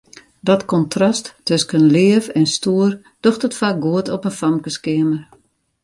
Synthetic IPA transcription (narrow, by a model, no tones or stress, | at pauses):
dɔtkɔntʰrastːøskənlɪəfɛnstuər | d̥oxtətfaːk̚ɡuətɔpənfamkəskɪəmər